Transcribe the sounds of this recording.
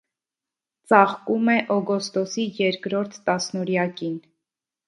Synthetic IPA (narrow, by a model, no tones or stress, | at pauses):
t͡sɑχkumɛʔɔɡɔst̪ɔsijɛɾkɾɔɾt̪ʰːɑsnɔɾjɑkin